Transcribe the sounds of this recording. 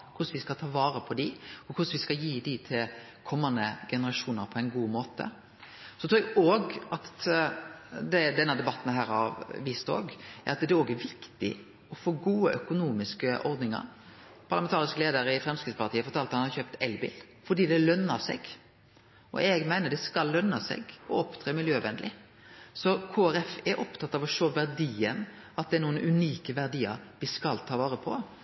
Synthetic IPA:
kʰʊsʋɪskɑt̪ʰɑːʋɑːɾəpʰɔd̪ɪɔkʰʊsʋɪskɑjiːd̪ɪt̪ʰɪl | kʰɔmːɑnd̪əɡ̥ɛnəɾɑʂuːnəɾpʰɔɛɪnɡuːmoːt̪ə̰ | sɔt̪ʰɾuːɛɡoːɡɑt̪ | d̪ɛd̪ɛnːɑd̪ɛbɑt̪ːn̩ɦæːɾɑʋʋiːst̪o̰ːɡɛɑt̪d̪ɛoːɡæʋɪkt̪ɪ̰ | ɔfoːɡuːəʔœkʊnuːmɪskəʔɔɾd̪nɪŋɑ̰ɾ | pʰɑʁlɑmɛnt̪ɑːɾɪskəleːd̪əɾəɪfɾɛmskɾɪt̪spɑʁt̪iːəfɔɾt̪ʰɑːlt̪hɑnhɑçøːpt̪ɛlbɪ̰l | fɔd̪iːd̪ɛlœnːɑɾsɛ̰ɡ | ʔɔ̰ɛɡmæɪnəɖ̪ɛskɑlːœnːɑsɛ̰ɡɔɔpt̪ʰɾeːmɪljøːʋɛnd̪lɪ̰ | sɔkʰoːæɾɛfɛɾʔɔpt̪ʰɑt̪ːɑʋɔʂoːʋæʁd̪iːən | ɑt̪̚d̪ɛnuːənʔʉniːkəʋæʁd̪iːəɾʋɪskɑlt̪ʰɑːʋɑːɾəpʰɔ

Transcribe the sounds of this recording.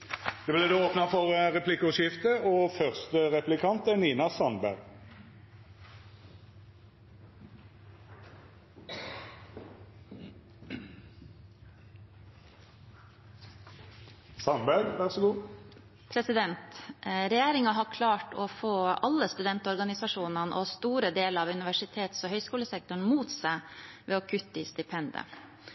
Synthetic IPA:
d̪̥ɛblɛd̪əoːpnɑfɔʁʁɛpʰlɪkːəʊʂɪft̪əɔfœʁst̪əʁɛplɪkʰɑnt̪æniːnɑsɑnbæʁɡ | sɑmbæɾʋæʁsɔɡuː | pʰɾɛsɪd̪ɛnt̪ɾɛjeːɾɪŋɑɦɑːkʰlɑːʈofoːɑlːəst̪ʉd̪ɛnt̪ɔɾɡɑnɪsɑʂuːnənʔɔst̪uːɾəd̪eːləɑʋʉnɪʋæʂɪt̪ʰeːt̪soːhœʏskuːləsɛk̚t̪ʊɳmuːt̪sæɪʋḛːoːkʰʉt̪ːəiːst̪ɪpʰɛnd̪ə̰

